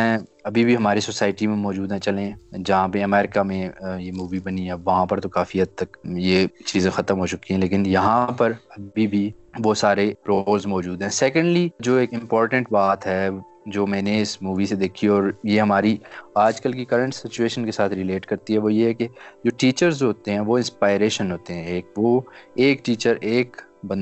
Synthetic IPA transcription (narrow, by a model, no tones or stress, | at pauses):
ɛ̃ːɐbʱibʱiɦɐmaːɾisoːsaːɪʈimẽmɔːd͡ʒuːd̪ɦɛ̃t͡ʃɐlẽd͡ʒɐɦãpeɐmɛːɾɪkamẽjemuːʋibɐniɦɛʋɐɦãpɐɾt̪okaːfiɦɐd̪̚t̪ɐkjet͡ʃiːzẽxɐt̪əmɦoːt͡ʃʊkiɦɛ̃leːkɪnjɐɦãpɐɾɐbibʱiʋosaːɾeɾoːlzmɔːd͡ʒuːd̪ɦɛ̃ːsɛːkə̃ɳɖlid͡ʒoːeːkɪ̃mpɔːɾʈə̃ɳʈbaːt̪ɦɛ | d͡ʒoːmɛ̃ːneɪsmuːʋised̪eːkʰiɔːɾjeɦɐmaːɾiaːd͡ʒkɐlkikɐɾə̃ɳʈsɪt͡ʃueːʃənkesaːt̪ʰɾɪleːʈkɐɾt̪iɦɛʋoːjeɦɛked͡ʒoːʈiːt͡ʃəɾzoɦoːt̪eɦɛ̃ʋoɪ̃nspaːɪɾeːʃə̃nɦoːt̪eɦɛ̃eːk̚ʋoːeːkʈiːt͡ʃəɾeːk | bɐ̃n